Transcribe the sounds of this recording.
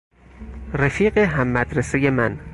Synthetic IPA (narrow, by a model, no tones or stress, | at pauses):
ræfiːɢeɦæmːæd̪ɾesejemæn